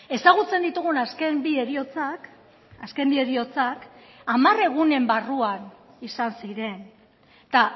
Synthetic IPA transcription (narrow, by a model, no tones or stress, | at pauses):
e̞saɣ̞ut͡se̞nd̪it̪uɣ̞unaskembieɾiot͡sak | aske̞mbie̞ɾio̞t͡sak | amare̞ɣ̞une̞mbaruan | isansiɾe̞n | t̪a